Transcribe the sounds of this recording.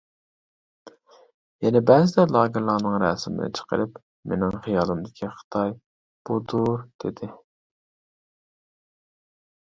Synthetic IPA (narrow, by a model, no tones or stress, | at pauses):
jɛnɛbɛːzɪd̪ɛlˠɑːɡɪɾlˠɑːnɨŋɾɛ̰ːsɪmɪ̰nɪ̰t͡ʃʰə̥qə̰ɾɨp | menɪŋχijɑːlˠɨmd̪ɪkʲʰiχə̥t̪ʰɑj | b̥ud̪uɾd̪̥ed̪ɪ